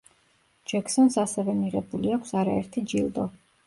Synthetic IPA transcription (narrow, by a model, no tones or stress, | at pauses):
d͡ʒɛksɔnsasɛvɛmiʁɛbuliakʷʰsaɾaɛɾt̪ʰid͡ʒilˠd̪ɔ